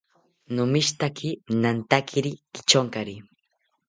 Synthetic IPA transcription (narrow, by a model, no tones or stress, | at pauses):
nʊmɪʃt̪akʰɪnant̪akʰɪɾikɪ̥t͡ʃoŋkaɾi